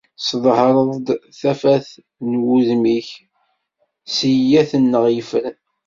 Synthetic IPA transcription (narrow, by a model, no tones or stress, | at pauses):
sðˤhɾˤəðˤd̪θæfæθ | nwuðmiç | səjæθənːəʁjəfəɾ